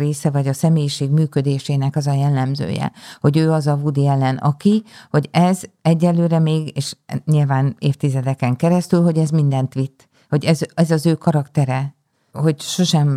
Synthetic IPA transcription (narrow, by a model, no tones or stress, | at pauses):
reːsɛvɒɟɒsɛmeːjiʃeːɡmyːkø̞d̪eːʃeːnɛkɒzɒjɛlːɛmzø̰ːjɛ̰ho̞ɟøːɒzɒvud̪iɛlːɛnɒ̰kiho̞ɟɛzɛɟːɛnløːɾɛmeːɡeːʃɲilvaːneːft̪izɛd̪ɛkɛŋkɛɾɛst̪ylɦo̞ɟɛzmind̪ɛnt̪ʋit̪ː | ho̞ɟɛzɛzɒzøːkɒɾɒkt̪ɛɾɛ | ho̞ɟʃo̞ʃɛm